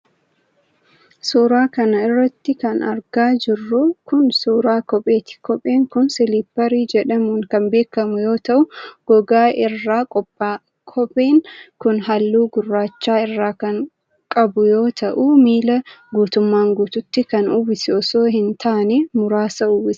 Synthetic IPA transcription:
suːɾaːkɐnɐɪrːɐt̪ːɪkɐnɐɾɡaːd͡ʒɪrːʊkʊnsuːɾaːkɔpʼe̞ːt̪ɪ̥kɔpʼeːŋkʊnsɪliːpːɐɾiːd͡ʒɛᶑɐmuːŋkɐmbe̞ːkːɐmʊjo̞ːt̪ɐʔʊɡ̥ɔɡaːʔɪrːaːkʼɔpːaː | kʰɔpʼeːŋkʊnɦɐlːuːɡʊrːaːt͡ʃːaːɪrːaːkɐŋ | kʼɐbʊjo̞ːt̪ʰɐʔuːmiːlɐɡuːt̪ʊmːaːŋɡuːt̪ʊt̪ːɪkɐnubɪsɪɔso̞ːɦɪnt̪ʰaːnɛmʊɾaːsɐʊːbɪs

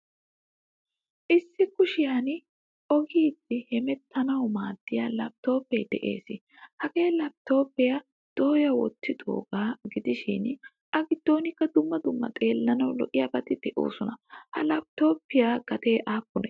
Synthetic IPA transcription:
ʔɪsːɪkʊʃɪjan | ʔɔɡiːd̪ːɪhɛmɛt̪ʰːɐnɐwmaːd̪̥ːɪjalɐb̚t̪o̞ːpːɛjd̪ɛʔe̞̰ːsɪ | hɐɡe̞ːlɐb̚t̪o̞ːpːɪjɐ | d̪̥o̞ːjɐwɔ̰t̪ːɪd̪o̞̰ːɡaːɡɪd̪ɪʃɪ̰n | ʔɐɡɪd̪̥ːo̞ːnɪkːɐd̪ʊmːɐd̪ʊmːɐ̰t̪ʼe̞ːlːɐnɐwlɔ̰ʔɪjaːbɐt̪ɪd̪̥ɛʔo̞̰ːsɔnɐhɐ̰lɐb̚t̪o̞ːpːɪjaːɡ̥ɐt̪e̞ːʔaːpːʊnɛ

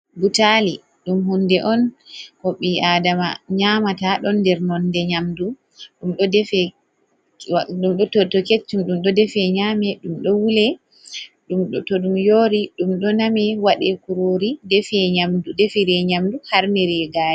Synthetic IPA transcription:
butali | ɗumhundɛʔɔnkɔɓiadama̰ɲamataɗɔndɛɾnɔndɛɲamdu | ɗumɗɔdɛfɛ | ɗumɗɔtɔtɔket͡ʃːumɗumɗɔdɛfɛɲaːmɛɗumɗɔwulɛ | ɗumɗtɔɗumjoːɾiɗumɗɔnamɛwaɗɛkuɾoɾidɛfɛɲamdudɛfiɾɛɲamduhaɾnɛɾɛɡaːjɛ

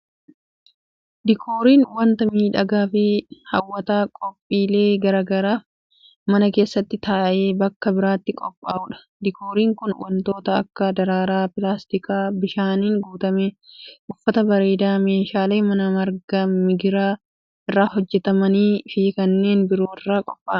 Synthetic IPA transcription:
d̪ɪkʰoːɾiːnwɐnt̪ɐmiːᶑɐɡaːfɪhɐwːɐt̪aːkʼɔpʼːiːle̞ːɡɐɾaːɡɐɾaːf | mɐnɐke̞ːsːɐt̪ːɪt̪aːʔe̞ːbɐkːɐbɪɾaːt̪ːɪkʼɔpʼːaːʊᶑɐ̥ | d̪ɪkʰo̞ːɾiːŋkʊnwɐ̰nt̪o̞ːt̪ɐɐ̰kːɐd̪ɐɾaːɾaːpɪlaːst̪ɪkaːbɪʃaːniːŋɡuːt̪ɐmeːʔʊfːɐt̪ɐbɐɾe̞ːd̪aːme̞ːʃaːle̞ːmɐnɐmɐɾɡɐmɪɡɪɾaː | ɪrːaːɦɔd͡ʒːɛt̪ɐmɐniːfiːkɐnːe̞ːnbɪɾo̞ːɪrːaːkʼɔpʼːaː

